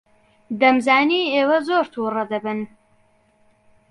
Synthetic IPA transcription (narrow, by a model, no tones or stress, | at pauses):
d̪ɐmzaːniːeːwɐzoːɾt̪ʰurɐd̪ɐbɨn